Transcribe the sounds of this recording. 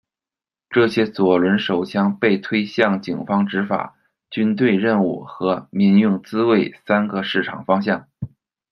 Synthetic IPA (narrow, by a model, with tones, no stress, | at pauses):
ʈ͡ʂɤ˥˩ɕjɛ˥t͡swɔ˨˩lwə˧˥nʂo˨˩ʊɕʰjɑ˥ŋpe˥˩ɪt̪ʰwe˥ɪɕjɑ˥˩ŋt͡ɕi˨˩ŋfɑ˥ŋʈ͡ʂɻ̩˧˥fa̰˨˩ | t͡ɕy˥nt̪we˥˧ɪɻə˥˧nu˥˩xɤ˧˥mi˧˥˧ŋjʊ˥˩ŋt͡sɹ̩˥we˥˩ɪsa˥nɡə˧ʂɻ̩˥˩ʈ͡ʂʰɑ˨˩ŋfɑ˥ŋɕ̬jɑ˥˩ŋ